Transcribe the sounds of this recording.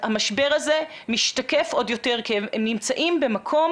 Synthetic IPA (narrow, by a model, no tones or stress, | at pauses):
amaʃbe̞ʁaze̞ | miʃtakefʔo̞djo̞te̞ʁkiemnimt͡saʔimbe̞makʰo̞m